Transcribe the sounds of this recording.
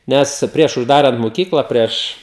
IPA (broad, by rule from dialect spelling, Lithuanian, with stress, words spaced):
ˈnʲɛs ˈpʲrʲiɛʃ ʊʒˈdɑːrɐnt moːˈkʲiːklˠɑː ˈpʲrʲiɛʃ